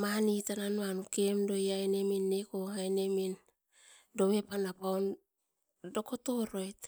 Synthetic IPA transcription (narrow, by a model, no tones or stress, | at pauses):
manitananuanukemdo̞jajneminːekohajnemin | do̞wepanapaon | do̞kotoɾojt